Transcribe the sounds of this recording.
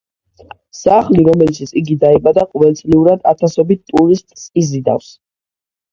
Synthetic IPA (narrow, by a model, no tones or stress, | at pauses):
saχliɾɔmɛlit͡ʃʰit̪sʰiɡid̪aibad̪aqʼvɛlt̪sʼliuɾad̪a̰t̪ʰasɔbit̪̚t̪ʼuɾist̪ʼsizid̪a̰fs